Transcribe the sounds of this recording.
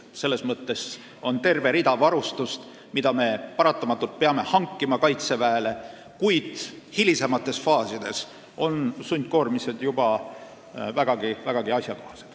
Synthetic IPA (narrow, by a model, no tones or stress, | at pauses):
se̞lːe̞smɤt̪ːe̞s | o̞nt̪e̞rve̞ɾid̪ɑvɑɾust̪ust̪ | mid̪ɑme̞pɑɾɑt̪ːˑɑmɑt̪ːˑult̪̚peɑme̞hɑŋkːˑimɑkɑjt̪se̞væːle̞ | kujd̪̥hilʲise̞mɑt̪ːˑe̞sfɑːsid̪̥e̞̰s | o̞nsunʲt̪̚ko̞ːrmise̞d̪̥jub̥ɑ | væɡ̥ɑɡivæɡ̥ɑɡiɑsʲjɑkohɑse̥d̪̥